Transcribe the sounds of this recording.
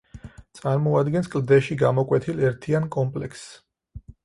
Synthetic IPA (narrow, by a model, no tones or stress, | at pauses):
t̪sʼaɾmɔad̪ɡɛnskʼld̪ɛʃiɡamɔkʼwɛt̪ʰilɛɾt̪ʰiankʼɔmpʼlɛks